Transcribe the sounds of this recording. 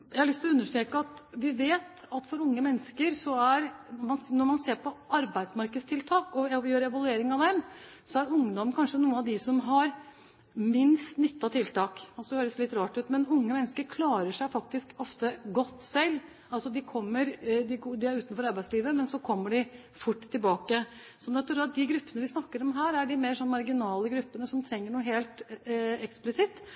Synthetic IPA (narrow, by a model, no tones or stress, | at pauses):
jæɪhɑɾlʏst̪ɪlɔʉnːəʂʈɾeːkəɑt̪ʋɪʋeːt̪ | ɑt̪fɔɾʊŋːəmɛnːəskəɾsɔæɾmɑnnɔɾmɑnseːɾpʰɔɑɾbæɪd̪smɑɾkəd̪st̪ʰɪlt̪ʰɑːkɔɛjøːɾɛʋɑlʉeːɾɪŋɑʋd̪ɛm | sɔæɾʊŋːd̪ɔməkʰɑnʂənuːənɑd̪ɪsɔmɦɑɾ | mɪnst̪nʏt̪ːɑt̪ʰɪlt̪ɑːkɑlsɔd̪ɛhøːɾəslɪt̪ɾɑːʈ̪ʉːt̪mɛnʊŋːəmɛnːəskəɾkʰlɑːɾəʂæɪfɑk̚t̪ɪskɔft̪əɡɔt̪ːsɛlː | ɑlsɔd̪ɪkʰɔmːəɾd̪ɪd̪ɪæɾʉːt̪nfɔɾɑɾbæɪsliːʋəmɛnsɔkʰɔmːəɖɪ | fʊʈːt̪ʰːɪlbɑːkə | sɔnːɛt̪ːuɾɑt̪̚d̪ɪɡɾʉpːənəʋɪsnɑkːəɾɔmɦæːɾæɖɪmeʂɔnːmɑɾɡɪnɑːləɡɾʉpːənəsɔmt̪ʰɾɛŋːəɳuːəɦeːlt̪ɛksplɪsɪt̪ː